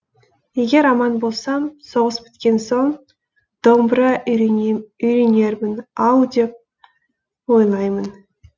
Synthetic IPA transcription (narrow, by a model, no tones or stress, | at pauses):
je̞ɡʲe̞ɾɑmɑnbo̞lˠsɑmso̞ʁəsbɪ̥t̪kʲe̞nso̞ɴ | d̪̥o̞mbɾə | ʏjɾene̞ɾmɪnɑwd̪e̞p̚ | wo̞jlˠɑjmən